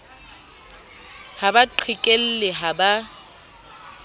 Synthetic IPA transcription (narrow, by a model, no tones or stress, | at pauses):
habaǃʰikʼel̩lɪɦaba